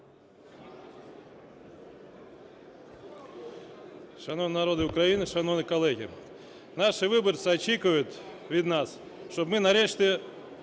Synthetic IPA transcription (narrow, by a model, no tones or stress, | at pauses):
ʂɐnonnɐɾod̪ɨʊkɾainɨʂɐnonɨkɐlˠɛɣʲɪ̰ | naʂɨʋɨbərt̪sɨɐt͡ɕːikɨʋɐjʊt̪ | vʲid̪nas | ʃtobmɨnɐɾʲeʂt̪ʲɪ